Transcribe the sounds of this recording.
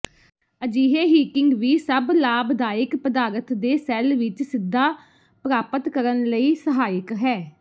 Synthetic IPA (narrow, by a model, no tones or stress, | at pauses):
əd͡ʒiːɦeːɦiːkɪŋɡʋiːsəblaːbd̪aːɪkpəd̪aːɾət̪d̪eːsɛːlʋɪt͡ʃsɪd̪ːaː | pɾaːpət̪kəɾənləiːsəɦaːɪkɦɛː